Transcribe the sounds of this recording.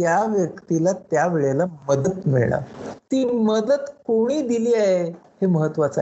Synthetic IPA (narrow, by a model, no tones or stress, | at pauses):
t̪jaʋjəkt̪ilat̪jaʋeɭelaməd̪ət̪miɭɳa̰t̪iːməd̪əd̪koɽ̃iːd̪iliːaɦe | heməɦət̪ːʋat͡sa